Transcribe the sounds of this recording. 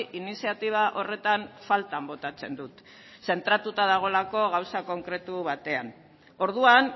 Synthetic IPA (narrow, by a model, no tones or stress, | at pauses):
ʔinisiat̪iβ̞aʔo̞re̞t̪anfalt̪ambo̞t̪at͡se̞nd̪ut̪ | se̞nt̪ɾat̪ut̪aðaɣ̞o̞lako̞ɣawsako̞ŋkɾe̞t̪uβat̪e̞an | o̞ɾð̞uan